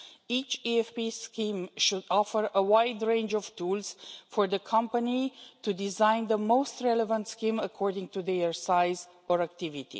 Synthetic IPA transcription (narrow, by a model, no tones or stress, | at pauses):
it͡ʃiɛfpiskĩmʃudɔfəɹəwaɪdɹẽɪ̃nd͡ʒɔv̥tʰulz̥fɔɹðəkʰʌ̃mpənitudizãɪ̃nðəmoʊstɹɛləvə̃ntskĩməkʰɔɹdɪ̃ŋtud̪eəɹsaɪz | əɹæk̚tivitḭ